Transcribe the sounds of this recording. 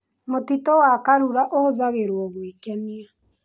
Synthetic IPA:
motitowakaɾuɾaʔohoðaɣeɾwɔɣwekɛnia

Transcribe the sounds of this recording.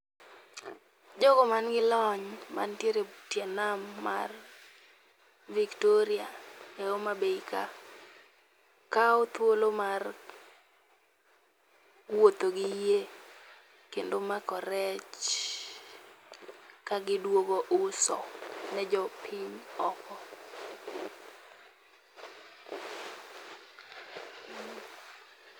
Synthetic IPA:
d͡ʒɔɡɔmanɡɪlɔɲma̰ntjeɾetjɛnamːa̰r | viktoɾiaɛomabeika | kaot̪wolomar | wot̪oɡɪje | kendomakɔɾɛt͡ʃ | kaɡɪdwoɡoʔʊsɔ̰nɛd͡ʒɔpʰiɲɔkɔ

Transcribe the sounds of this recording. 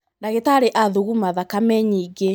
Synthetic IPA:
ndaɣetaɾeʔaðuɣumaðakamɛɲiɡe

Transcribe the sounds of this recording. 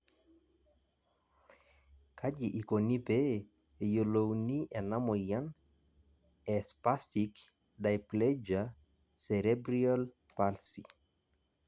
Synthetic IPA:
kʰad͡ʒiʔikonipe | ejolowniʔɛnamɔjan | ɛspastik | dajplɛd͡ʒa | seɾɛbɾiɔlpalsi

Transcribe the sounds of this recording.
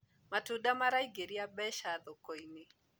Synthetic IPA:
matudamaɾaiɡeɾiabɛʃad̪ɔkoinɪ

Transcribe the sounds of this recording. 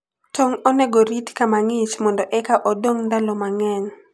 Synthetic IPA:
tʰoŋɔnɛɡoɾitkamaŋɪt͡ʃmɔndɔʔɛkaʔɔdoŋndalɔmaŋɛɲ

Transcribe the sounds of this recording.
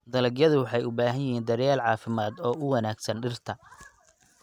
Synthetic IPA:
d̪ɐlɐɡjɐðʊwɑħɑjʊbaːɦɐnjɐɦiːnd̪ɐɾjaːlʕɑːfɪmaːd̪ɔːʔʊwɐnaːɡsɐnɖɪrt̪ʰɐ

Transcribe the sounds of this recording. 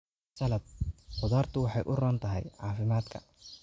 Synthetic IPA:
sɐlɐb̚qʊðaːrt̪ʰʊwɑħɑjʔʊrɔːnt̪ʰɐɦɛ̰jʕɑːfɪmaːd̪kʰɐ̥̰

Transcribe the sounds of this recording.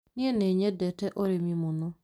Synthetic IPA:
nɪeneɲedɛtɛʔoɾemimʊnʊ

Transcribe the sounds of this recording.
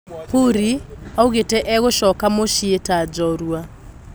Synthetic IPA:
kuɾiauɣetɛʔɛɣʊʃɔkamoʃietad͡ʒɔɾwa

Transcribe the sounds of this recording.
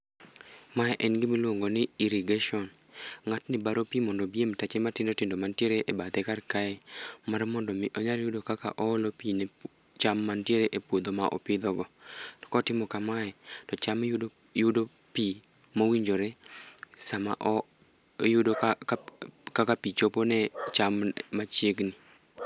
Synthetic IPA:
maɛʔɛnɡɪmilwoŋɡonɪiɾiɡaʃɔn | ŋatnɪbaɾopimɔndɔbiemtat͡ʃematɪndotɪndomantjeɾeʔebat̪ɛkarkaɛmarmɔndɔmɪʔɔɲaɾjʊdokaka̰ʔɔːlopine | t͡ʃamːantjeɾeʔepwod̪omaʔɔ̰pɪd̪ɔɡɔtɔ̥kɔtɪmɔkamaɛtɔt͡ʃamjo | jʊdo | pi | mowiɲd͡ʒoɾɛ | sama̰ʔɔ | jʊdok | kakapit͡ʃoponɛt͡ʃammat͡ʃjeɡni

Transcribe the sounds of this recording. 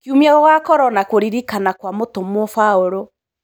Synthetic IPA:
kiumiɛɣɔɣakɔɾɔnakoɾiɾikanakwamotomofaoɾo

